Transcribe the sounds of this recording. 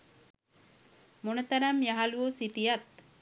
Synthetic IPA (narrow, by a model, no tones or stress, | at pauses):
monət̪aɾamjaɦaluosiʈijat̪̚